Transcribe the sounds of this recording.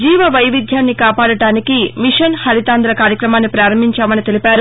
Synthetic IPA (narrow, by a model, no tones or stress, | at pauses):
d͡ʒiːʋɐʋɐjʋid̪ʱjaːnːikaːpaːɽɐɽaːnikimiʂɐnhɐɾit̪aːnd̪ɾɐkaːɾjɐkɾɐmaːnːipɾaːɾɐmbʱiɲt͡ʃaːmɐnit̪e̞lipaːɾu